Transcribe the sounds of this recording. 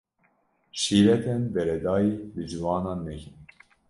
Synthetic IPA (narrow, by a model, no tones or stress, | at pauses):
ʃiːɾɛt̪ʰɛnbɛɾɛd̪ɑːjiːbɨd͡ʒiwɑːnɑːnːɛkin